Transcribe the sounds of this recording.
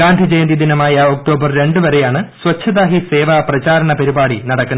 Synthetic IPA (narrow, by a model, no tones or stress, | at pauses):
aːnd̪id͡ʑejɐnd̪id̪inɐmaːjɐo̞k̚ʈo̞ːbɐrɾe̞ɳɖɨʋɐɾe̞jaːɳɨswɐt͡ɕʰːɐðaːɦiseːʋaprɐt͡ɕaːɾɐɳɐpɐɾibaːɽinɐɽɐkːunɐ